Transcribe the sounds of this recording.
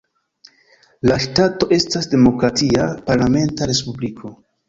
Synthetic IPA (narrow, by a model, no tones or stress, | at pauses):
laʃtato̞ʔe̞stasde̞mo̞kɾatʰiapaɾlame̞ntaɾe̞spublikʰo̞